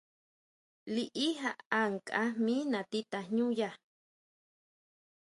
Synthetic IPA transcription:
liʔiɦaʔaŋkʼaminat̪it̪aɲũja

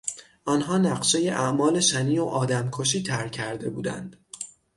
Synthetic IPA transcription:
ʔɒnɦɒːnæɢʃe̞je̞ʔæʔmɒːle̞ʃæniːoʔɒːd̪æmkʰoʃiːt̪ʰæɾcʰæɾd̪e̞buːd̪æ̰nd̪̥

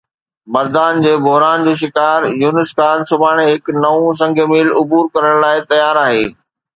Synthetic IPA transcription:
mɐɾd̪aːnd͡ʑeːbʊɦɾaːnd͡ʑoːʃ̬ɪkaːɾjuːnɪskaːnsʊbʱaːɽ̃eɦɪknɐʋũs̬ɐ̃ŋɡʱəmiːlʊbuːɾkɐɾəɽ̃laːɪt̪ɐjaːɾaːɦeː

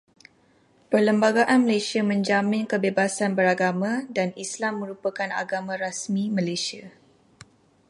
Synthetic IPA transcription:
pərləmbaɡaʔanməlasiamə̃ɲd͡ʒamɪ̃nkəbebasanbəɾaɡamãdanislamːə̃ɾupakana̰ɡamãɾasmĩmə̃lesia

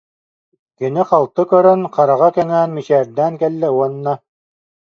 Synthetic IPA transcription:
kɘ̆nɘqɑlˠt̪ɤkœɾœnqɑɾɑʁɑkɛŋæːnmit͡ɕɛːɾd̪æːnkɛlːɛuɔnːɑ

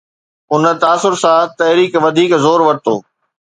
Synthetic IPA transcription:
ʊnə̆t̪aːsʊɾsãt̪ɐɦɾiːkʋɐd̪ʱiːkzoːɾʋɐɾ̚t̪oː

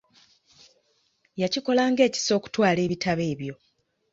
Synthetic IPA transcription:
jaciko̞laːŋɡe̞ːci̥so̞ːku̥twaːle̞ːβitʰaβe̞ːβjo̞

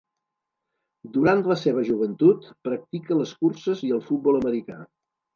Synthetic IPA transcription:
d̪uɾant̪ləseβ̞əʒuβənt̪ut̪pɾək̚t̪ikələskursəziəlˠfut̪̚bɔlˠəməɾika̰

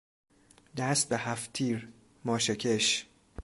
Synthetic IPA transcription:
d̪æst̪̚behæft̪ʰiːɾ | mɒːʃecʰeʃ

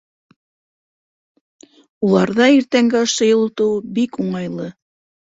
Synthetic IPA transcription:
ulˠɑɾðɑiɾt̪æŋɡæoʃɤ̆jɤ̆lˠŏt̪ɤwbikuɴɑjlˠɤ

